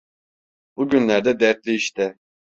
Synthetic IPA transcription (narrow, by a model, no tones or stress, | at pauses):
buɟynlʲæɾd̪ɛd̪æɾt̪̚lʲiiʃt̪ɛ